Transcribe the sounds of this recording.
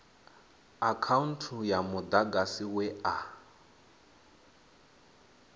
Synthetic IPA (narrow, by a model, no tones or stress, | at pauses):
akʰaun̩tʰujamʊd̪aɡasiwɛa